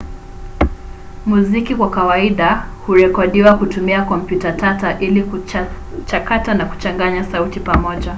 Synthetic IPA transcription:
muzikikwakawaiɗahuɾɛkɔɗiwakutumiakɔm̩pjutatataʔilik | t͡ʃakatanaku̥t͡ʃaŋɡaɲasautipamɔʄa

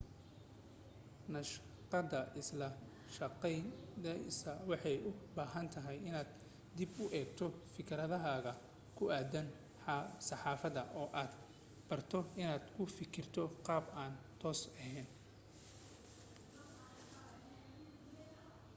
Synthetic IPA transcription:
nɐʃ | qɑd̪ɐʔɪslɐ | ʃɐqɛjd̪ɛsɐwɑħɑjʊbaːɦɐnt̪ʰɐɦɛjɪnaːd̪ | d̪ɪbʊʔɛːɡt̪ʰɔfɪkʰɾɐðɐɦaːɣɐ | kʰʊʔaːd̪ɐn | sɑħɑːfɐðɐʔɔːʔaːd̪ | b̥ɐrt̪ʰɔɪnaːd̪kʰʊfɪkʰɪrt̪ʰɔqɑːbaːnt̪ʰɔːsɛɦɛːn

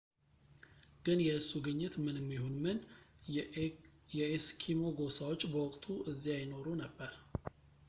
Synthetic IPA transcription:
ɡ̥ɨnjɛɨsːuɡɨɲːɪt̪mɨnɨmːihonmɨn | jɛeskʰimo̞ɡo̞sawot͡ʃʼːbəwɔkʼt̪ʰuʔɨzːijajɪno̞ɾunəbːəɾ

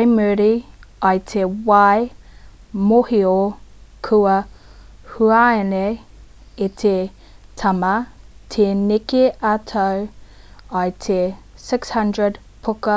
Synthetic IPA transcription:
jmʉɾiɐjtʰewaj | mohiokʰʉɐ | huaene | etʰe | tʰɐmɐtʰenikeʔatʰɐw | ɐjtʰesɪkshɐndɹəd | pʰʊkɐ

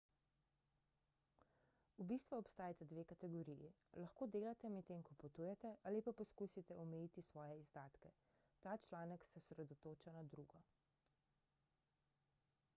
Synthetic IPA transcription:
ubist̪ʋaɔpst̪aːjat̪ɛd̪ʋeːkat̪ɛɡoɾijḭ | lɐxkoːd̪eːlat̪ɛmɛt̪ːeːŋkɔput̪ujɛt̪ɛʔaːlipapɔskuːsit̪ɛɔmɛjit̪isʋɔːjɛizd̪aːt̪kɛ | t̪aːt͡ʃlaːnəksɛsɾɛd̪ɔt̪oːt͡ʃanad̪ɾuɡɔ

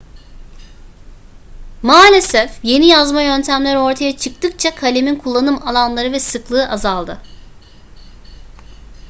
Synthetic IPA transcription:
maːlʲe̞sɛfje̞nijazmajø̞nt̪ʰæmlʲæɾo̞ɾt̪ʰajat͡ʃʰɯk̚t̪ɯk̚t͡ʃʰakʰalʲe̞minkʰulˠːanɯmalˠanlˠaɾɯvɛsɯklˠɯːʔazalˠd̪ɯ

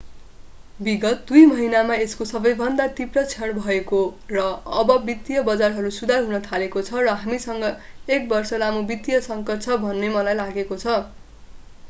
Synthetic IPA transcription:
biɡʌt̪̚d̪ujmʌɦinamaeskosʌbʌjbʱʌnd̪at̪iprʌt͡sʰʌɽ̃bʱʌekorʌʌbʌbit̪ːjʌbʌd͡zarɦʌɾusud̪ʱarɦunʌt̪ʰalekot͡sʰʌrʌɦamisʌŋɡʌ | ek̚bʌrsʌlamobit̪ijʌsʌŋkʌr̚t͡sʰʌbʱʌnːemʌlajlaɡekot͡sʰʌ

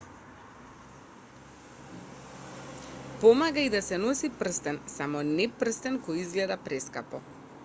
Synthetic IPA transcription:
pɔmaɡaid̪asɛnɔsipr̩st̪ɛnsamɔnɛpr̩st̪ɛnkɔjizɡlɛd̪apɾɛskapɔ̰

